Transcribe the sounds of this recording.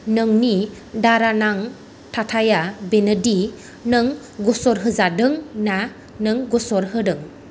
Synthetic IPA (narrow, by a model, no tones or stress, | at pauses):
nɯŋni | daɾanaŋ | tʰatʰajabenədi | nɯŋ | ɡɔsɔɾɦɯzadɯŋna | nɯŋɡɔsɔɾɦɯdɯŋ